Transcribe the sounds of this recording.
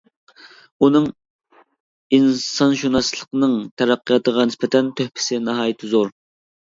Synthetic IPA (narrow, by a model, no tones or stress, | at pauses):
unɨŋ | insɑnʃunɑslˠəqnɨŋt̪ʰɛɾæqːijɑt̪əʁɑnɪspɛt̪ʰɛnt̪ʰøhpʰɪ̥sɪnɑɦɑːjit̪ʰɪzoɾ